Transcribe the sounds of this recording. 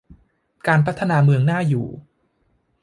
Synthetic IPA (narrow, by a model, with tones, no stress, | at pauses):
kaː˧npʰa˦˥t̪ʰːa˧naː˧mɯ˧əŋnaː˥˩jṵː˨˩